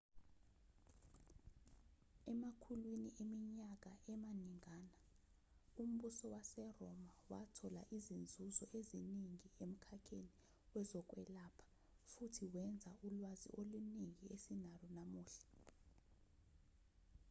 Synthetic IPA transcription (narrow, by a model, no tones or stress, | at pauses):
ɛmakʰulwiniʔemiɲak̬ʼaʔɛmaniŋaːna | um̩ɓusɔwasɛrɔmawatʰɔla̰ʔizind͡zʱuzɔʔeziniŋiem̩kʰakʰeni | wɛzɔk̬ʼwɛlapʰḁ | futʰiwɛnd͡zʱaulwazḭʔoluniŋiesinalɔnamuːɬɛ̥